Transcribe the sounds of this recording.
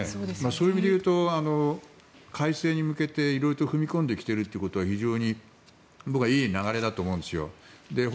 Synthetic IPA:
emaso̞ːjiːmʲid̪e̞jɯ̟ːt̪o̞ano | kʰaise̞ːɲ̟imɯ̟ke̞t̪e̞iɾo̞iɾot̪oɸɯ̟mʲikõnd̪e̞kʲi̥t̪e̞ɾɯt̪ːeiɯ̟ko̞t̪o̞βaçiʑo̞ːɲ̟i | bokɯɡaiːnaɣaɾe̞d̪at̪oːmo̞ɯ̃nd̪esɨjo̞̰d̪e̞

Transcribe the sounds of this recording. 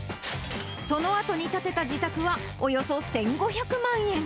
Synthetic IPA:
so̞no̞at̪o̞ɲ̟it̪at̪e̞t̪ad͡ʑit̪akɯ̟βa | ojo̞so̞sẽ̞ŋɡo̞çakɯ̟mãɰ̃ẽ̞ŋ

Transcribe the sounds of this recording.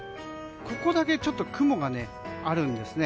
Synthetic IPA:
ko̞ko̞d̪ake̞t͡ɕo̞t̪ːo̞kɯ̟mo̞ɡane̞ | aɾɯ̟̃nd̪e̞sɨne̞

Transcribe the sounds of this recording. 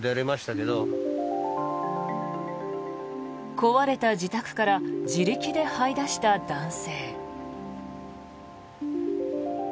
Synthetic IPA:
d̪eaɾʲimaɕi̥t̪ake̞d̪o | ko̞βaɾe̞t̪ad͡ʑit̪akɯ̟̥kaɾad͡ʑiɾɯ̟kʲid̪e̞haid̪aɕi̥t̪ad̪ãɰ̃se̞ː

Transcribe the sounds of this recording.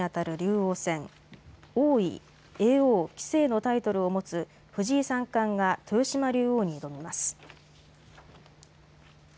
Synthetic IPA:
at̪aɾɯ̟ɾʲɨːo̞ːsẽ̞ŋ | oːḭ | eːoːkʲi̥se̞ːno̞t̪ait̪o̞ɾɯ̟o̞mo̞t͡sɨ | ɸɯ̟ʑiːsãŋkãŋɡat̪ʰojɯ̟ɕimaɾʲɨːoːɲ̟id̪omʲimasɨ̥

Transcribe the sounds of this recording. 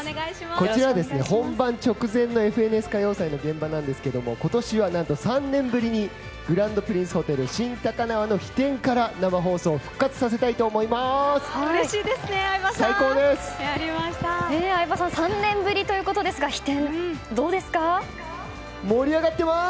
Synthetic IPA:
ɡaiimako̞t͡ɕiɾaβd̪e̞sɨne̞hõ̞mbãɲt͡ɕo̞kɯ̟zẽ̞nːo̞e̞ɸɯ̟e̞nɯ̟esɨ̥kajo̞ːsainoɡẽ̞mbanãnd̪e̞sɨ̥ked̪o̞mo̞̰ko̞t̪o̞ɕiβanãnt̪o̞sãnːẽ̞mbɯ̟ɾʲiɲ̟i | ɡ̥ɯ̟ɾãnd̪o̞pɯ̟ɾʲĩɰ̃sɨ̥ho̞t̪e̞ɾɯ̟ɕĩnt̪akanaβano̞çi̥t̪ẽ̞ŋkaɾanamaɦo̞ːso̞ːɸɯ̟̥kːat͡sɨ̥sase̞t̪ait̪o̞ːmo̞imasɨ̥aɾeɕiːd̪esɨnebasaiko̞ːd̪e̞sɨ̥aɾimaɕt̪aeːaibasãsãnnːẽ̞mbɯ̟ɾʲit̪o̞jɯ̟ːko̞t̪o̞d̪e̞sɨɡaçi̥t̪ẽ̞nd̪o̞ːd̪e̞sɨ̥ka | moɾʲiaɡat̪ːe̞ma

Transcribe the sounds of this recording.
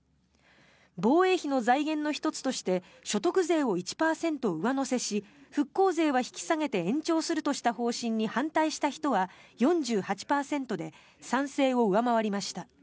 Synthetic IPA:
bo̞ːe̞ːçino̞zaiɡẽ̞nːo̞çi̥t̪o̞t͡sɨ̥t̪o̞ɕi̥t̪e̞ | ɕo̞t̪o̞kɯ̟ze̞ːo̞it͡ɕi̥paːsẽ̞nt̪o̞ɯ̟βano̞se̞ɕiɸɯ̟kːo̞ːze̞ːβ̞açi̥kʲi̥saŋe̞t̪e̞ẽ̞ɲ̟t͡ɕo̞ːsɨɾɯ̟t̪o̞ɕi̥t̪aɦo̞ːɕĩɲ̟ːihãnt̪aiɕi̥t̪açi̥t̪o̞βajõ̞ɲd͡ʑɨːhat͡ɕi̥paːsẽ̞nt̪o̞d̪e̞ | sãɰ̃se̞ːo̞ɯ̟βamaβaɾʲimaɕi̥t̪a

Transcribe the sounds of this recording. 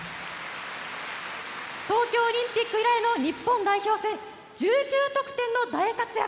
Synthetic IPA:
t̪o̞ːkʲo̞ːoɾʲĩmpʲikːɯ̟iɾaeno̞ɲ̟ipːõ̞nd̪aiçʲo̞ːsẽ̞n | d͡ʑɨːd͡ʑʲɨːt̪o̞kɯ̟̥t̪ẽ̞nːo̞d̪aekakɨja̰

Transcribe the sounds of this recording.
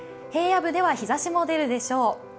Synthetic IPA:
he̞ːjabɯ̟d̪e̞βaçizaɕimo̞d̪e̞ɾɯ̟d̪e̞ɕo̞ː

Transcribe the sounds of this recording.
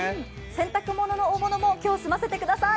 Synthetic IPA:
sẽ̞nt̪akɯ̟mo̞no̞no̞ːmo̞no̞mo̞kʲo̞ːsɨmase̞t̪e̞kɯ̟d̪asa

